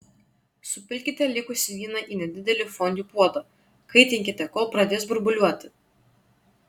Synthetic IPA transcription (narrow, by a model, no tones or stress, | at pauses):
sʊpʲɪlʲkʲɪt̪ʲɛlʲɪkʊsʲɪʋʲiːnɐʔiːnʲɛd̪ʲɪd̪ʲɛlʲɪfɔnʲd̪ʲuːpuɔd̪ɐ | kɐɪt̪ʲɪŋʲkʲɪt̪ʲɛkoːlˠpɾɐd̪ʲeːs̬bʊɾbʊlʲuɔt̪ʲɪ